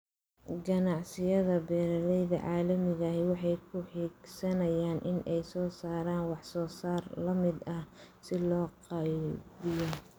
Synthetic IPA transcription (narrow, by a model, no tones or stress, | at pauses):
ɡɐnɑʕsɪjɐðɐbɛːɾɐɾɛjðɐ̰ʕɑːlɐmɪɣɐwɑħɑjkʰʊħiːɡsɐnɐjaːnʔɪnʔɛjsɔːsaːɾaːnwɑħsɔːsaːrlɐmɪd̪ɐsɪlɔːqɑbɪjɔ